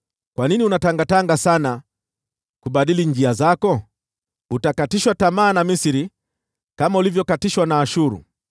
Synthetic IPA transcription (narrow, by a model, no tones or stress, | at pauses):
kwaniniunataŋɡataŋɡasana | kuɓaɗiliɲd͡ʒiazakɔ | utakatiʃwatamaːnamisiɾi | kamaulivjɔkatiʃwanaːʃuɾṵ